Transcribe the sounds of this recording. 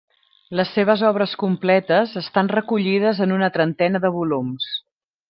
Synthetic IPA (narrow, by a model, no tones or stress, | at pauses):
ləsːeβ̞əzɔβɾəskumplɛt̪əzəst̪anrəkuʎið̞əzənunət̪ɾənt̪ɛnəðəβulums